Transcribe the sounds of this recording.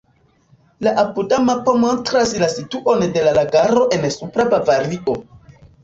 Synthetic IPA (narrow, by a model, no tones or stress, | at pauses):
laʔapudamapomontɾaslasituʔo̞nde̞lalaɡaɾo̞ʔe̞nsupɾabavaɾiʔo̞